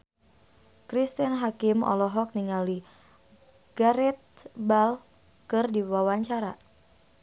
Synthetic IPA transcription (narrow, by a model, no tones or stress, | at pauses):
kɾist̪ənɦakimɔ̰lɔɦɔk̚niŋali | ɡ̥aɾɛt̪̚bal | kɨrdiwawaɲt͡ʃaɾa̰